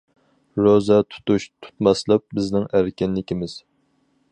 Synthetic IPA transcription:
ɾozɛt̪ʰu̥t̪uʃt̪ʰu̥t̪mɑslˠɨp̚bɪznɪŋæɾkʲɛnlɪkʲimɪz̥

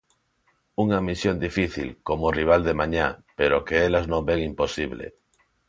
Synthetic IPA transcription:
uŋamisjond̪ifiθḭlkomoriβ̞ald̪emãɲapeɾokeelaznõmbeŋimpo̞siβ̞lḛ

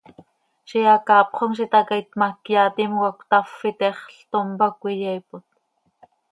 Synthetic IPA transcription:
ʃijɑkɑːpχoŋʃ̬it̪ɑkait̪makjaːt̪imwakʷt̪afːit̪ɛχɬt̪ombakʷijɛipot̪̚

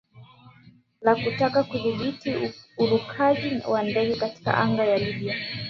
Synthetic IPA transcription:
lakutakakuðiɓitiulukʰaʄiwandɛɡɛkati̥ka̰ʔa̰ŋɡajaliɓia

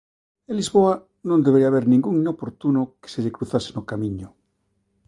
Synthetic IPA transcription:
elizβoa | nõnd̪eβeɾiaβ̞eɾnĩŋɡuŋinopoɾt̪unoke̥seʎekɾuθasenokamĩɲo

